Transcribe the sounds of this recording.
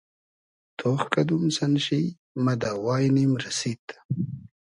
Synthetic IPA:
t̪ʰoːχkɐd̪umsɐnɕi | mɐd̪aːwɑːjnimɾɐsit̪

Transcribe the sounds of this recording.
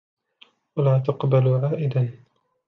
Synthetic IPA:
walaːt̪̬aqbalʕaːʔɪd̪an

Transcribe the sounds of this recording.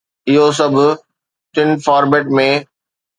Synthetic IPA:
ɪɦos̬ɐbʱ | ʈɪnfaːɾbeːʈmẽ

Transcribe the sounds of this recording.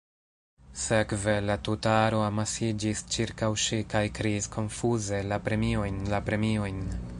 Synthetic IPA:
se̞kve̞latutaaɾo̞amasid͡ʒist͡ʃiɾkawʃikajkɾiiskʰo̞nfuze̞lapɾe̞mio̞jnlapɾe̞mio̞jn

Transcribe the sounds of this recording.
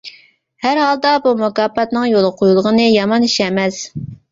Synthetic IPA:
hæɾhɑlˠd̪ɑbumukɑːpɑt̪nɨŋjolˠəqʰojulˠʁənɨjɑmɑniʃɛmɛz

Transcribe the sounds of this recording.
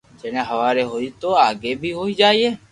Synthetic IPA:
d͡ʒeñeɦəʋaɾeɦojt̪oaɡebʱiɦoid͡ʒaːie

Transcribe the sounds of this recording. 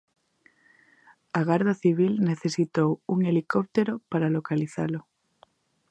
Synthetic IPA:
aɣaɾðaθiβ̞ilne̞θesit̪owuŋe̞likop̚t̪eɾopaɾalo̞kaliθa̰lo

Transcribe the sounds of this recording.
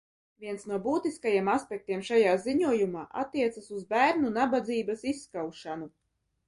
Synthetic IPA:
vʲiɛnsnuɔbuːt̪iskajiɛmaspʲɛk̚t̪iɛmʃajaːziɲuɔjumaːʔa̰t̪ːiɛt̪sasuzbæːɾnunabad̪ziːbasisːkawʃanu

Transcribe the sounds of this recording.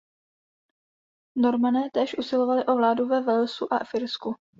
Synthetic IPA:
no̞ɾmanɛːt̪ɛːʃʔusɪlo̞valɪʔo̞vlaːduvɛvɛlsuʔafɪɾsku

